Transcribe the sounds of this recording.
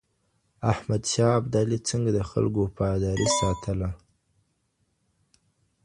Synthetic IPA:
ahmad̪ʃɑab̚d̪alit͡səŋɡad̪əxa̰lɡopɑjd̪ɑɾisɑt̪ʰəla

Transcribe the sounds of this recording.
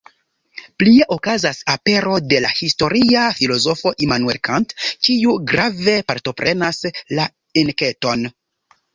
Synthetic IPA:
plie̞ʔo̞kazasape̞ɾo̞de̞lahisto̞ɾiafilo̞zo̞fo̞ʔimanue̞lkantkiuɡɾave̞paɾto̞pɾʔe̞nasla | enke̞to̞n

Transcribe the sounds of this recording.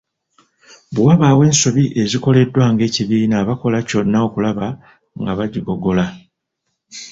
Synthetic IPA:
buwaβaːwe̞ːnsoβiʔe̞ziko̞le̞dːwaŋɡe̞ːciβiːnaːβako̞laco̞nːao̞kulaβa | ŋɡaβaɟiɡo̞ɡo̞la

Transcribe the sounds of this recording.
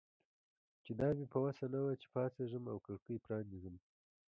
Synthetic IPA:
t͡ʃed̪ɑːmipɐwasanawat͡ʃe̥pɑːseʒəmawkəɽkəjpɾɑːnizəm

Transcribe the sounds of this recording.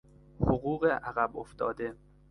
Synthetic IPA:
hoɣuːɣeʔæɣæboft̪ɒ̰ːd̪e̞

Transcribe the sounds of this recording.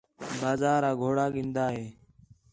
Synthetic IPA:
baːzaːɾaːɡʱoːɽaːɠĩːnd̪aːɦeː

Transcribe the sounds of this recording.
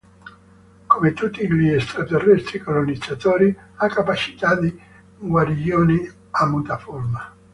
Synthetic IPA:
komet̪ut̪ːiliɛst̪ɾat̪erːɛst̪ɾikolonid̪zːat̪oːɾiakːapat͡ʃi̥t̪ad̪i | ɡwaɾioːni | amːut̪aforma

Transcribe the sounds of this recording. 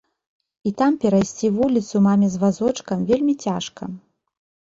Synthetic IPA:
it̪ampʲɛɾajsʲt͡sʲivulʲit̪sumamʲɛzvazɔt͡ʂkɐmvʲelʲmʲit͡sʲaʂkɐ̰

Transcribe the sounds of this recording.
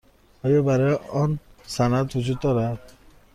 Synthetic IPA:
ʌjobaɾeɔnsanat̪ʰusʰut̪ɔɾa

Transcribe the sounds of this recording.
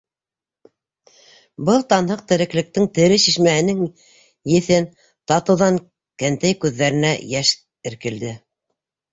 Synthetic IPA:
bɤlˠt̪ɑnhɤq̚t̪ɘ̆ɾɘ̆klɘ̆k̚t̪ɘŋt̪ɘ̆ɾɘʃiʃmæɦɘ̆nɘŋ | jɘ̆θɘn | t̪ɑt̪ɤ̆wðɑŋ | kænt̪æjkʉðːæɾɘ̆næjæʃ | ɘ̆ɾkɘ̆ld̪ɘ

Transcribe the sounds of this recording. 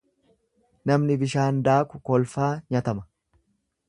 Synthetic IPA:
nɐmnɪbɪʃaːnd̪aːkʊkɔlfaːɲɐt̪ɐmɐ̥

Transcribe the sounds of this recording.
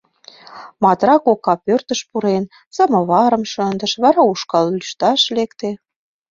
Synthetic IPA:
mɑt̪rɑkokɑpørt̪ə̆ʃpuɾen | sə̆mɤ̆βɑɾə̆mʃə̆nd̪ə̆ʃβɑɾɑuʃkɑllyʃt̪ɑʃlekt̪e

